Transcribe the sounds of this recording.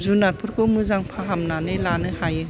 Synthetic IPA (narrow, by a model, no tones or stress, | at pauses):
zunapʰɯɾkʰɯmɯzaŋpʰaɦamnanɯlanɯhajɯ